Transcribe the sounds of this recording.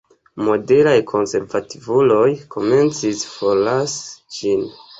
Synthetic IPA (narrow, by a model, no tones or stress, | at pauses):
mo̞de̞ɾajkʰo̞nse̞ɾvativulo̞jkʰo̞me̞nt͡sisfolasd͡ʒin